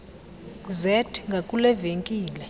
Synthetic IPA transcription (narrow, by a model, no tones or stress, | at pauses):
zɛtʰŋɡʱakʼulɛveŋkʼiːlɛ